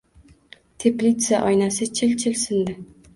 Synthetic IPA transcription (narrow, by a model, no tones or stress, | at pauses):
t̪ʰe̞plʲit̪saʔɒjnasɪt͡ʃʰɪlt͡ʃʰɪlsɪnd̪ɪ